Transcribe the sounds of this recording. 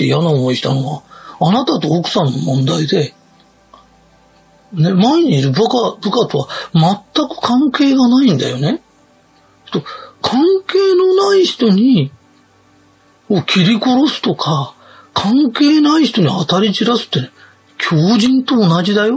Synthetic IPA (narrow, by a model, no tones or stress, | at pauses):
t̪ːeijanaomoiɕi̥t̪a̰no̞βaːnat̪at̪o̞ːkɯ̟̥sãnːo̞mõ̞nd̪aid̪e̞ | ne̞maiɲ̟iːɾɯ̟bkabɯ̟kat̪o̞βamat̪ːakɯ̟̥kʰãŋke̞ːɡanaĩnd̪a̰jo̞ne̞ | t̪okʰãŋke̞ːno̞naiçi̥t̪o̞ɲ̟i | koːkʲʰiɾʲiko̞ɾo̞sɨ̥t̪o̞kʰa | kʰãŋke̞ːnaiçi̥t̪o̞ɲ̟ihat̪aɾʲit͡ɕiɾasɨ̥t̪ːene | kʲʰo̞ːʑĩnt̪o̞ːnaʑid̪ajo̞